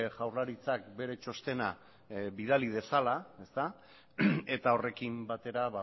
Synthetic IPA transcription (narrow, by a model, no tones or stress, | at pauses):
ʝawrlaɾit͡sakbe̞ɾe̞t͡ʃo̞st̪e̞na | βið̞alið̞e̞salae̞st̪a | e̞t̪ao̞re̞kimbat̪e̞ɾaβa